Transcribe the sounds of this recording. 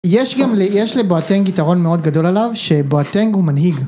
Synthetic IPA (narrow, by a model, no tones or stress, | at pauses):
jeʃɡamlejeʃleboateŋɡitaʁo̞nme̞o̞d̪ɡado̞lalavʃe̞boateŋɡhumanɦiɡ